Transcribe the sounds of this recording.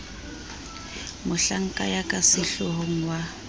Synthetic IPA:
mʊɬaŋ̩kʼajakʼasɪɬʊɦoŋ̩wa

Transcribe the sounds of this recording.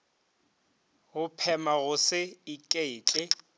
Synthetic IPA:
ɣʊpʰɛmaɣʊsɪɪkʼeːt͡ɬʼɪ

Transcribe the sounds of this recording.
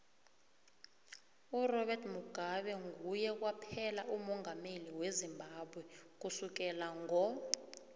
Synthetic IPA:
urɔɓɛrtmuɡ̥ʱaɓɛŋujɛk̬wapʰɛlaʔumɔŋʱameliwezimbʱaɓwɛk̬usuk̬ɛlaŋɔ

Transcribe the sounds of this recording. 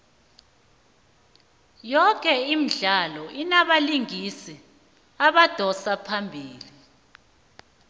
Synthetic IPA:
jɔkʼɛim̩ɮalɔinaɓaliŋisi | aɓad̥ʱɔsapʰambʱiːli

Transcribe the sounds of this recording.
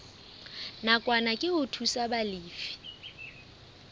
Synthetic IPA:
nakʼwanakʼɪʊtʰusabaliːfi̥

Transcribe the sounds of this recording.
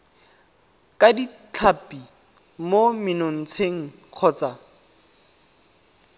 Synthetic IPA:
kʼadit͡ɬʰapi | momɪnon̩t͡sʰeŋ̩ | q͡χʰɔːt͡sa

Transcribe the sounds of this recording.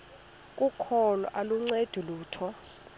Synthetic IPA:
kʼukʰɔlɔ̰ʔaluŋ͡ǀed̥ʱuluːtʰɔ

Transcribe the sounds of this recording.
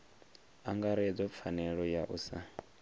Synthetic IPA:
aŋɡaɾɛd͡zɔp̪fʰanɛɺɔjaʔusa

